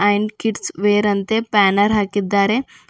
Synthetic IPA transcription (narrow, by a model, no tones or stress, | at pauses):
ɐjɳɖkiʈsʋeːɾɐnt̪epaːnɐɾɦaːkid̪ːaːɾe